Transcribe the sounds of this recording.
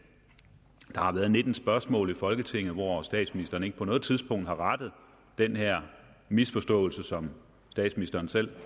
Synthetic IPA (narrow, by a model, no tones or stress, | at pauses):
d̥ɑ̈hɑ̈ʋæːɐð̩ˠne̝d̥n̩sb̥ɶɐsmɔ̰̽ːlˠifɒ̽lɡ̥ət͡sʰe̝ŋ̰ð̩ˠʋɒsd̥ɛ̰ːd̥sminisd̥ɐːn̩e̝ɡ̥əpʰɒnɔ̽ːð̩ˠt͡sʰið̞ˠsb̥ɔ̽ŋ̰d̥hɑ̈ʁɑ̈d̥əð̞̩ˠ | d̥enheɐ̰ | misfɒ̽sd̥ɔ̰̽ːl̩səsɒ̽m | sd̥ɛ̰ːd̥sminisd̥ɐːnsel̰